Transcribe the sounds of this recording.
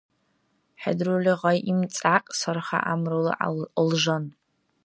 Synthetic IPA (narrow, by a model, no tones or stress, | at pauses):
ħa̰drulʲiʁajʔimt͡sʼaqʼsarχa̰ʔamrɨl̰ʔlʒan